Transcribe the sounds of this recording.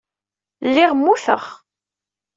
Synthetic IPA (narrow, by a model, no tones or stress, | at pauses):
lːiʁmːuθə̰χ